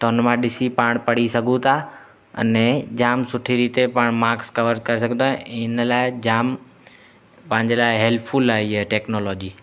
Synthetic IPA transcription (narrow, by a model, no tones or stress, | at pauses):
ʈonmãɗɪsipaːɽ̃pɐɽisɐɡʱũt̪ʰa | ɐ̰nɛ̃d͡ʑaːmsʊʈʰiɾiːt̪epaːɽ̃maːkskɐʋəɾkɐɾes̬ɐɡ̃ʱt̪ãɪnəlaːɪd͡ʑaːm | pɐ̃ɦɪ̃ɲd͡ʑelaːɪɦɛːlpʰfʊlaːieʈeːknoːlɔːd͡ʑiː